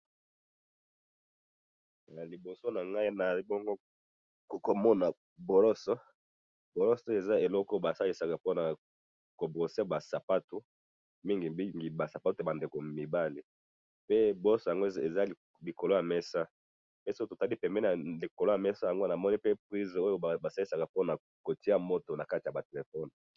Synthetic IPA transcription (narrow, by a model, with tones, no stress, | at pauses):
ja˨li˨bo˨so˦na˨ŋɡa˦i˦na˨i˦bo˦ŋɡo˦˨ | ko˨mɔ˦na˨ | bo˨lɔ˦sɔ˦ | bo˨lɔ˦sɔ˦e˨za˦e˨lɔ˦kɔ˦ba˨sa˦li˦sa˨ka˨po˦na˨ | ko˨bʁo˨se˦ba˨sa˨pa˦tu˨ | mi˦ŋɡi˨i˦ŋɡi˨ba˨sa˨pa˦tu˨jba˨nde˨ko˨mi˨ba˦li˨ | pe˦bo˨ɔ˦sɔ˨ja˨ŋɡo˦e˨za˦˨ | li˨ko˨lo˦ja˨mɛ˦sa˦ | pe˦si˦o˦to˨ta˦li˦pɛ˨mbɛ˦na˨li˨ko˨lo˦ja˨mɛ˦sa˦ja˨ŋɡo˦na˨mɔ˦ni˦pe˦p̚ʁi˦zo˦jo˦˨ba˨sa˦li˦sa˨ka˨po˦na˨ | ko˨ti˦a˦mo˦to˨na˨ka˦ti˨a˨ba˨te˨le˨fɔ˦n